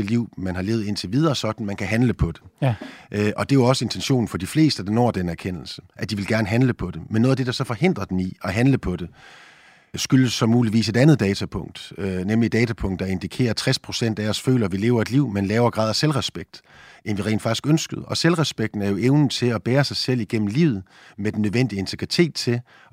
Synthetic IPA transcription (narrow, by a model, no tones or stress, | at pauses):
eliʊ̰mænɦɑ̈le̝ːʊð̩ˠe̝nt͡sʰe̝ʋið̞ˠɐːsɒ̽d̥n̩mænkʰæɦænləpʰɒ̽d̥e̝ʔɒ̽d̥e̝joɒ̽səe̝nt͡sʰenɕo̝̰ːn̩fɒ̽d̥ifle̝̰ːsd̥əd̥ɑ̈nɒ̰ɐ̰d̥enæɐkʰen̰l̩səʔæd̥iʋe̝lɡ̥æɐnəɦænləpʰɒ̽d̥e̝menːoːðˠɐd̥e̝d̥ɑ̈sɒ̽fɒ̽he̝n̰d̥ʁɐd̥eniɒ̽ɦænləpʰɒ̽d̥e̝ | sɡ̥yləsːɒ̽muːliʋḭːse̝d̥ænð̞̩ˠd̥ɛːt͡sʰæpʰɔ̽ŋ̰d̥nemlid̥ɛːt͡sʰæpʰɔ̽ŋ̰d̥ɑe̝nd̥ikʰe̝̰ːɐt͡sʰʁɛspʰʁo̝sen̰d̥æɒsfø̰ːlɐʋile̝̰ːʊɐe̝d̥liʊ̰menlɛːʊɐɡ̥ʁɑ̰̈ð̰ˠæselʁɛsb̥eɡ̥̚d̥ | ʔenʋiʁḛːn̥fɑ̈ɡ̥isɡ̥ønsɡ̥əð̞̩ˠɒ̽selʁɛsb̥eɡ̥̚d̥n̩æɐjo̝ʔeʊnn̩t͡sʰe̝lɒb̥ɛːɐsɑ̈ɪsel̰iɡ̥em̰m̩lḭːʊ̰ð̩ˠ | med̥en̩ːøðˠʋen̰d̥iəe̝nt͡sʰe̝ɡ̥ʁit͡sʰe̝̰ːd̥t͡sʰe̝l